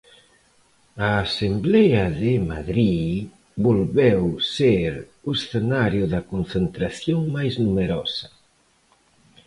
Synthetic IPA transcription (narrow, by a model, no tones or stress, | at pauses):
aːsemblɛaðemaðɾi | bolβɛwseɾ | usθenaɾjʊðɐkonθent̪ɾaθjoŋmajznumeɾɔsḁ